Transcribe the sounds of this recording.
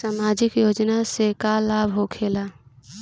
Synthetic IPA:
saːmaːd͡ʒɪkjoːd͡ʒnasekalaːbʱɦokʰeːla

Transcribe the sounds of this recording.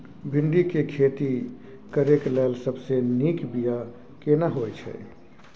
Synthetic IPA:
bʱɪɳɖikekʰet̪i | kəɾeklɛlsəbsenikbija | kenaɦojt͡ʃʰɛ̰

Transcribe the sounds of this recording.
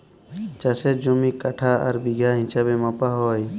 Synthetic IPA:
t͡ʃəsed͡ʒomiːkəʈʰaːə̰ɾbiɡʱaːɦɪ̃t͡ʃabeməpaːɦoːi

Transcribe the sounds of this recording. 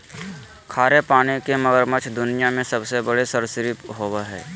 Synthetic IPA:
kʰaːɾepaːnekeməɡəɾmət͡ʃʰd̪ʊnijamẽsɐbsebəɽesəɾsɪɾipɦoːwaɦɛ̰ː

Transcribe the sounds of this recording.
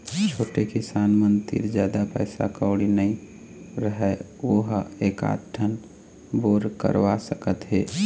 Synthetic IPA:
t͡ʃʰoːʈekisaːnmənt̪ḭɾd͡ʒjaːd̪apəɪsa̰kəʊɽinəĩ | ɾəɦɛ | oɦeka̰ʈʰən | boːɾkə̰ɾʋasəkət̪ɦeː

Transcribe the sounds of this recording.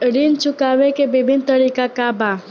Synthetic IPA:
ɾint͡ʃʊkaːʋekebɪbʱɪnt̪əɾiːkakaba

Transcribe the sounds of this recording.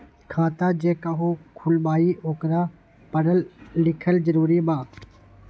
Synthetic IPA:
kʰaːt̪aːd͡ʒeːkaɦuːkʰʊlmaːiːʔoːkɾaː | pəɽəlːɪkʰəlzəɾuːɾimãː

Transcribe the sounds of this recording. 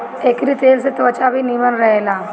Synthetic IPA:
eːkɾit̪eːlset̪ɐʋət͡ʃabʱinimənɾəɦeːlaː

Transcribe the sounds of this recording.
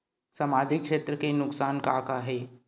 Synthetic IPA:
saːmaːd͡ʒɪkkʃeːt̪ɾəkenʊksaːnkakaɦɛː

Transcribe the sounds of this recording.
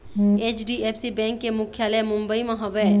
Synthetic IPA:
eːt͡ʃɖiepsibɛ̃ːŋkːemʊkʰjaːləmʊ̃mbəimɐ̃ɦɐʋɛ

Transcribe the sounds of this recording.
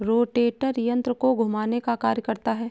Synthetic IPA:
ɾoːʈeːʈəɾjə̃nt̪ɾəkoɡʱʊmaːnekakaːɾjəkɐɾt̪aɦɛː

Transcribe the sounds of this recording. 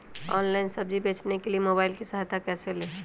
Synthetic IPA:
ɔ̰ːnlaɪnsəbd͡ʒibeːt͡ʃnekeliemoːbaːɪlkisəɦat̪ʰakɛsele

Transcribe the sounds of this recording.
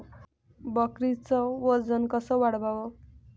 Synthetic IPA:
bʌkrit͡sʌwʌd͡zʌnkʌsʌwaɽbʱawʌ

